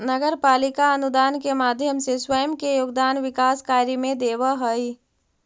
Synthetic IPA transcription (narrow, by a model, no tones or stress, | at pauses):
nəɡəɾpaːlɪkaɐnʊd̪aːnkemaːd̪ʱjəmseswəjəmkejoːɡ̚d̪aːnʋɪkaːskaːjɾimẽd̪eːʋəɦəi